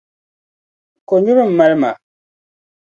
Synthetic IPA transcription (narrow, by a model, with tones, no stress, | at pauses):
ko˨ɲu˦ɾu˦m̩˨ma˨lma̰˨